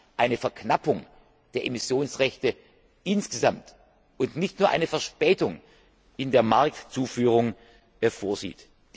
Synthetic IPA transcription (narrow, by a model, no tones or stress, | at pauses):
ʔaɪnəfɛɐkʰnapʊŋ | d̥eːɐʔemɪsjoːnsʁɛçtə | ʔɪnsɡ̥əzamt | ʊntnɪçtnuːɐʔa̰ɪnəfɛɐʃpɛːtʊŋ | ʔɪndeːɐmaɐk̚tt͡suːfyːʁ̞ʊŋ | foːɐzḭːt | d̥